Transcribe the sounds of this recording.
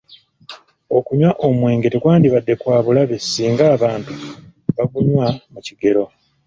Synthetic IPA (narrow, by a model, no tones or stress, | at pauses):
o̞kuɲwaʔo̞mwe̞ːŋɡe̞tekwaːndiβadːe̞kwaːβulaβe̞siːŋɡaːβaːntu̥βaɡuɲwamuciɡe̞ɾo̞